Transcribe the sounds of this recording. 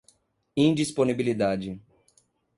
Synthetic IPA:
ĩd͡ʒisponibilid̪ad͡ʒɪ

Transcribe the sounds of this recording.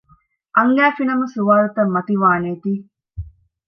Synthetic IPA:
ʔɐŋɡæːfinɐmɐsuʋaːlɐt̪ɐmːɐt̪iʋaːneːt̪iː

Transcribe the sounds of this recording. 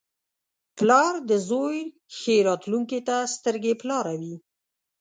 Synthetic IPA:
plɑɾd̪əzoj | xeɾɑt̪luŋket̪ast̪əɾɡeplɑɾawi

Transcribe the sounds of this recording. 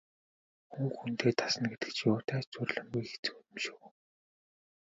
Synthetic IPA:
xuŋxunt̪ʰeːt̪ʰḁsə̆nɡet̪ɘ̆kt͡ɕʰiʊːt̪ʰæːt͡ɕt͡sʊrɮə̆mɡujxe̥t͡sɘ̥̆kuj̪̆mʃuw

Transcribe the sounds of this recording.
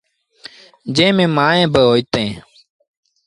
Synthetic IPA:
d͡ʒẽːmẽːmaːẽːbəɦoːit̪ẽː

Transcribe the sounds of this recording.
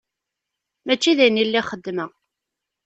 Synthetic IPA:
mæt͡ʃːiðæjnːilːiχəd̪ːmə

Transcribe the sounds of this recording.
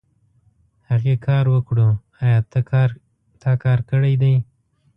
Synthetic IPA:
haɣekʰɑɾwəkɽu | ɑjɑ | t̪ʰɑkɑɾkəɽajd̪aj

